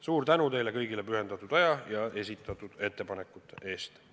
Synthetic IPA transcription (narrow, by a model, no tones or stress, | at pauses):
suːrt̪ænut̪e̞jle̞kɤjɡile̞pyɦe̞nd̪̥ɑt̪ːˑud̪̥ɑjɑjɑe̞s̬ʲit̪ːˑɑt̪ːˑud̪̥e̞t̪ːe̞pɑne̞kːˑut̪ːˑeʔe̞ːst̪